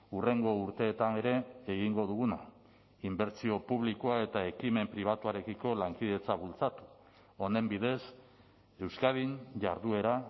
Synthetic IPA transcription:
ure̞ŋɡo̞uɾt̪e̞ːt̪ane̞ɾe̞ːɣiŋɡo̞ð̞uɣuna | imbe̞ɾt͡sio̞puβ̞likoae̞t̪ae̞kime̞mpɾiβ̞at̪uaɾe̞kiko̞laŋkiðe̞t͡saβult͡sat̪u̥ | o̞ne̞mbiðe̞s | e̞wskaðiɲʝa̰ɾðue̞ɾa

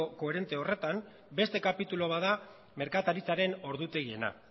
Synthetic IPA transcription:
oko̞eɾe̞nt̪eo̞re̞t̪am | be̞st̪e̞kapit̪ulo̞βaða | me̞ɾkat̪aɾit͡saɾe̞no̞ɾðut̪e̞ɣie̞na̰

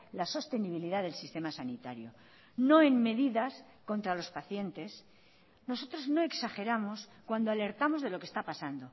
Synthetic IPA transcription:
laso̞st̪e̞niβ̞iliðaðe̞lsist̪e̞masanit̪aɾjo̞ | no̞e̞ŋme̞ðiðas | ko̞nt̪ɾalo̞spaθje̞nt̪e̞s | no̞so̞t̪ɾo̞zno̞e̞ksaxe̞ɾamo̞skwand̪oale̞ɾt̪amo̞zðelo̞kest̪apasand̪o̞

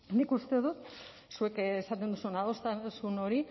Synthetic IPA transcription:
nikust̪e̞ðut̪ | sue̞kesat̪end̪usunaðost̪asuno̞ɾi

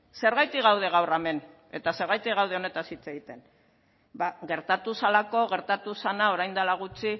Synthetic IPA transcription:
se̞ɾβajt̪iɣawð̞e̞ɣ̞awrame̞n | e̞t̪ase̞ɾβajt̪iɣawð̞e̞o̞ne̞t̪asit͡se̞ɣit̪e̞n | baɣe̞ɾt̪at̪usalako̞ɣe̞ɾt̪at̪usanao̞ɾajnd̪alaɣ̞ut͡si

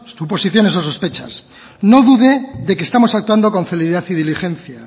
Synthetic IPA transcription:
t̪upo̞siθjo̞ne̞sos̬o̞spe̞t͡ʃa̰s | no̞ðuðe̞ðe̞kest̪amo̞sak̚t̪wand̪o̞ko̞ɱfeliiðaθiðilixe̞nθja

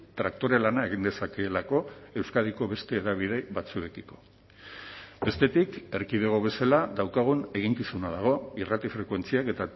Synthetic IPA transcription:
t̪ɾak̚t̪o̞ɾelanae̞ɣind̪esake̞lako̞e̞wskað̞iko̞βe̞st̪e̞ːðaβ̞iðe̞βat͡sue̞kiko̞̥ | be̞st̪e̞t̪ike̞ɾkiðeɣ̞o̞βe̞salaðawkaɣ̞une̞ɣ̞iŋkisunað̞aɣ̞o̞irat̪ifɾe̞kwe̞nt͡siake̞t̪a

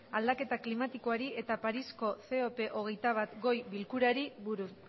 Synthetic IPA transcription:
ald̪ake̞t̪aklimat̪iko̞aɾiʔe̞t̪apaɾisko̞θe̞ope̞ʔo̞ɣe̞jt̪aβ̞at̪ɡo̞jβilkuɾaɾiβuɾu

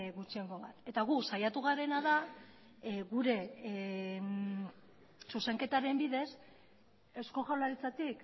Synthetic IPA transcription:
ɣut͡ʃie̞ŋɡo̞βat̪e̞t̪aɣ̞usajat̪uɣ̞aɾe̞naða | ɣuɾe̞ | suse̞ŋke̞t̪aɾe̞mbiðe̞s | e̞sko̞xawlaɾit͡sat̪ik

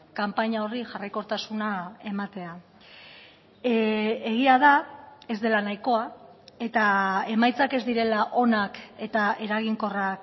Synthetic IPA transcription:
kampaɲao̞riʝarajko̞ɾt̪asunae̞mat̪e̞a | e̞ɣiaðae̞zd̪e̞lanajko̞ae̞t̪ae̞majt͡sake̞zd̪iɾe̞laʔo̞nake̞t̪ae̞ɾaɣ̞iŋko̞rak

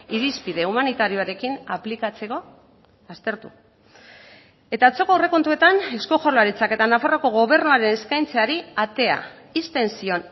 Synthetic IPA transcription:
iɾispiðe̞umanit̪aɾio̞aɾe̞kinaplikat͡se̞ko̞ | ast̪e̞ɾt̪ṵ | e̞t̪aːt͡so̞koawre̞ko̞nt̪ue̞t̪ane̞sko̞xoɾlaɾit͡sake̞t̪anafaroko̞ɣ̞o̞β̞e̞rnuaɾe̞ne̞skajnt͡seaɾiat̪e̞a̰ | ist̪e̞nsio̞n

